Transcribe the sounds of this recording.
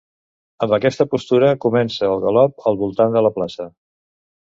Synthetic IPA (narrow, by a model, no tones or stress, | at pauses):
əmbəkɛst̪əpust̪uɾəkumɛnsəːlˠɣəlɔp̚əlˠβulˠt̪and̪ələplasə